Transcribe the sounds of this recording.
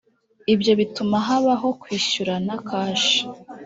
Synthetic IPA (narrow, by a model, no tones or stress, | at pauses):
ibjo̞βitumaɦaβaɦo̞kwiːɕuɾanakʰaːʃi̥